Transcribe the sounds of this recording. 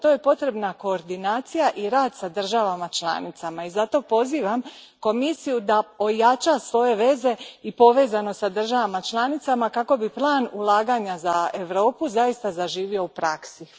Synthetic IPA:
t̪o̞je̞po̞t̪ɾe̞bnako̞ːɾd̪inaːt̪sijaʔiɾaːd̪sad̪r̩ʒaʋamat͡ʃlˠa̰ːnit̪samaizat̪o̞po̞ziːʋamko̞misijud̪ao̞jat͡ʃasʋo̞je̞ʋe̞ze̞ipo̞ʋe̞ːzano̞sad̪r̩ʒaʋamat͡ʃlˠanit̪samakako̞biplˠaːnulˠaːɡaɲazae̞ʋɾo̞ːpuzaist̪azaʒiːʋio̞upɾaksi

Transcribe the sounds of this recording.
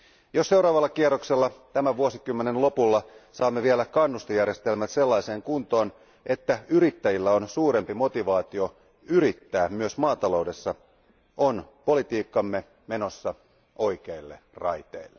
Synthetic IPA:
josse̞wɾɑːʋɑlːɑkierːokselːɑt̪æmæʋuosikymːenenlo̞pulːɑsɑːmːeʋielækɑnːust̪ojærje̞st̪elmæt̪se̞lːɑjse̞ːŋkunt̪o̞ːn | ʔe̞t̪ːæyɾit̪ːæjilːæo̞nsuːɾe̞mpimo̞t̪iʋɑːt̪io̞ | yɾit̪ːæːmyøsmɑːt̪ɑlo̞wde̞sːɑ | o̞npo̞lit̪iːkːɑmːe̞ | me̞no̞sːɑ | ʔo̞jke̞ilːe̞̰rɑjt̪ḛilːe

